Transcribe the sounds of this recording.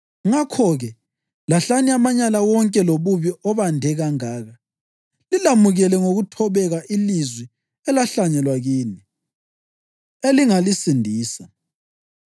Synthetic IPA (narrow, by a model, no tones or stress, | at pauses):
ŋakʰɔɣɛ | laɬaniamaɲalawɔŋkʼɛloβuβiʔɔβandʱɛɣaŋaːɣa | lilamuɣɛlɛŋoɣutʰɔβɛɣaʔilizwɛ | ɛlaɬaɲɛlwaɣiːni | eliŋalisindʱiːsa